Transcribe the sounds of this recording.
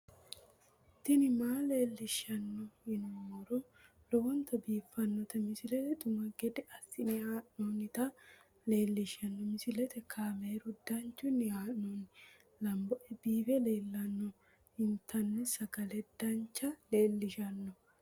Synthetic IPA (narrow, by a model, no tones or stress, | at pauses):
ɪt̪ːɪnɪmaːle̞ːlːɪʃɐnːɔɪnumɔɾɔ | lɔwɔnt̪ɐbiːfːɐnːɔt̪ɐmɪsɪlɛt̪ɛd̪ʊmɐɡɛd̪ɛʔɐsɪnɪhaːʔonɪt̪ɐ | le̞ːlːɪʃɐnːɔmɪsɪlɛt̪ɛkʰaːmeːɾʊd̪ːɐnt͡ʃːʊnɪhaːnɔnɪ | lɐmbɔʔɛbiːfɛle̞ːlːɐnːɔ | ɪnt̪ːɐnːɛsɐɡɐlɛd̪ɐnt͡ʃːɐleːlːɪʃɐnːɔ